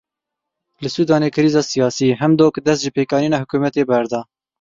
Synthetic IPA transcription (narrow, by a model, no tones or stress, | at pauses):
lɨsuːd̪ɑːneːkʰɨɾiːzɑːsijɑːsiːɦɛmd̪oːkd̪ɛs̬t̪ʒɨpeːkɑːniːnɑːhʊkuːmɛt̪eːbɛɾd̪ɑː